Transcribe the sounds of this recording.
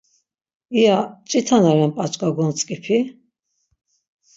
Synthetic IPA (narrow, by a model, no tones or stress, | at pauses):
ijat͡ʃʼit̪ʰanaɾɛmpʼat͡ʃʼkʼaɡɔnt͡sʼkʼipʰi